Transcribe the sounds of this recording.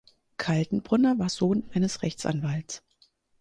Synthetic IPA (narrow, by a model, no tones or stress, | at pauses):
kʰaldn̩bʁʊnɐvaːɐz̥oːnʔaɪnəsʁɛçt͡sʔa̰nvalts